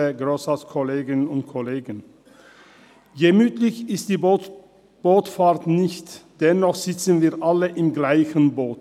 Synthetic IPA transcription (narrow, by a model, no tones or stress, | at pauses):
əɡʁoːsaskʰɔleːɡɪnʊnt̚kʰɔleːɡən | jemyːtlɪçɪst̚d̥iːb | b̥oːtfaːʁtnɪçtd̥ɛnːɔχz̥ɪt͡sən̩viːɐʔaləʔɪmɡlaɪçənboːt